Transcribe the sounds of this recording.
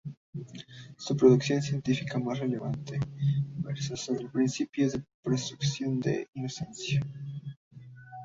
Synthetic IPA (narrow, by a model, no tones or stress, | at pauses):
supɾoðuksjonsjent̪ifikamasreleβant̪ebeɾsosoðelpɾinsipjozðepɾost̪ɾuksjond̪ḛinosensja